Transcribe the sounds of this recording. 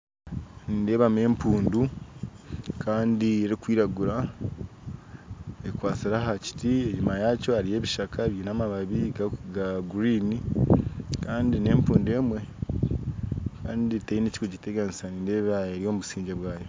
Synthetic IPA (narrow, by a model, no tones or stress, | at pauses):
niːnde̞ːβame̞ːmpuːndu | kʰaːndieɾikwiːɾaɡuɾa | ekwaːt͡siɾaɦaci̥tieɲimajaːco̞aɾije̞ːβiʃakʰaβjiːnamaβaβiɡaɡaɡuɾiːni | kaːndine̞ːmpuːnde̞ːmwe̞ | kaːnditeineci̥koɟiteɡanisaniːnde̞ːβaeɾijo̞muβusiːɲɟeβwaːjo̞